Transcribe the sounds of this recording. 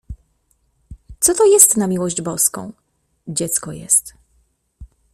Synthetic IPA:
t̪sɔt̪ɔjɛst̪namʲiwɔʑd͡ʑbɔskɔ̰̃w̃ | d͡ʑɛt̪skɔjɛ̰st̪

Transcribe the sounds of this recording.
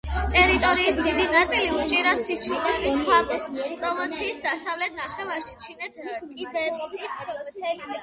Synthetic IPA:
t̪ʼɛɾit̪ʼɔɾiːsd̪id̪inat̪sʼiliut͡ʃʼiɾasit͡ʃʰik̪ʰaniskʰwak̪ʼɔspʼɾɔmɔt̪sʰiːsd̪asavlɛt̪̚ʰnaχɛvaɾʃi̥t͡ʃʰinɛt̪ʰt̪ʼibɛɾɛt̪ʼist̪ʰɛbia

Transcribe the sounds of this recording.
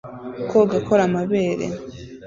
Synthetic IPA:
kʰoɡakʰoɾamaβeːɾḛ

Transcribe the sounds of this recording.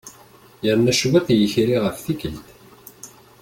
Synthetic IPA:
jəɾnæʃwiqjəçɾiʁəfθikəlt̪

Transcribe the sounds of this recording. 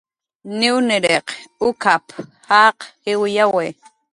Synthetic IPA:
nɪwnɪɾeqʊkʰaphɑqhɪwjawe

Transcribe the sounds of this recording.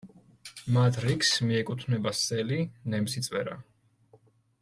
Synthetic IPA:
mat̪ʰɾikʰsmiɛkʼut̪ʰnɛbasɛlinɛmsit̪sʼvwɛ̰ɾa̰

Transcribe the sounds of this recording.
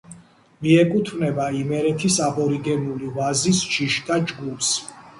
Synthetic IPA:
miɛkʼut̪ʰvnɛbaimɛɾɛt̪ʰisabɔɾiɡɛnulivazisʃiʃt̪ʼad͡ʒɡups

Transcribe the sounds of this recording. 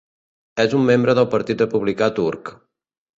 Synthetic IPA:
ɛzumːembɾəðəlˠpəɾt̪it̪rəpuβlikat̪uɾk

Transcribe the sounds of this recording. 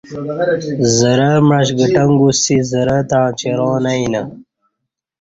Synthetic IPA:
zəɾɐmɻɐɕ̬ɡəʈɐŋɡusizəɾɐt̪ãːt͡ɕeɾoːnɐinɐ

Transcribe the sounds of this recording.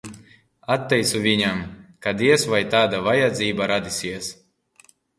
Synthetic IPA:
at̪ːɛjt̪suvʲiɲamkad̪iɛsvajt̪aːd̪avajad̪ziːbaɾad̪ʲisʲiɛs

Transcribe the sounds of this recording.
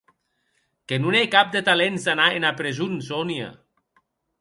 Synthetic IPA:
kenunekap̚d̪et̪alenzanaenapɾezunsɔnia̰

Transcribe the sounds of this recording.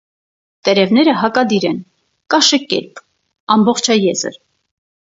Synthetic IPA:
t̪ɛɾɛvnɛɾəɦɑkɑd̪iɾɛn | kɑʃəkɛ̰p̪ | ɑmbɔχt͡ʃʰɑjɛzə̰ɾ

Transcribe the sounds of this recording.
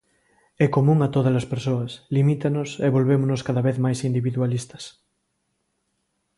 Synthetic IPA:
ɛkomũŋat̪oðɐlɐspeɾsoɐslimit̪anoseβolβemonoskaðɐβeθmajsind̪iβiðwalist̪ɐ̥s

